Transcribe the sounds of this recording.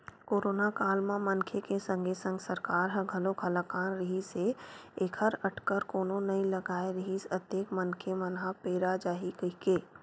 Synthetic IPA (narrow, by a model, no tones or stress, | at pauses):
koːɾoːnakaːlmãmənkʰekesə̃ŋɡʱesə̃ŋɡsəɾkaːɾɦə̃ɡʱɐlõɡʱəlakaːnɾəɦiseeːkʰəɾəʈʰkəɾkoːnõnɐɦĩləɡaːeɾəɦisət̪eːkmənkʰemənɦãpeːɾad͡ʒaːɦikəikeː